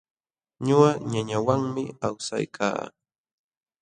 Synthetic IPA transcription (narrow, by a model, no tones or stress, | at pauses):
ɲoɢaɲaɲawaŋmɪawsa̰jkʰa̰ː